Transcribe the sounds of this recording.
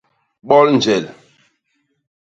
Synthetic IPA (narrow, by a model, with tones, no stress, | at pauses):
ɓɔ˦ln̩˨d͡ʒɛ˨l